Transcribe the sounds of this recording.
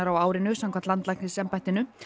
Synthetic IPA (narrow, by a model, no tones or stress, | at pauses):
aɾawaːwɾɪnʏsamkʰamt̪lant̪lajknɪsɛmpajt̪ɪnʏ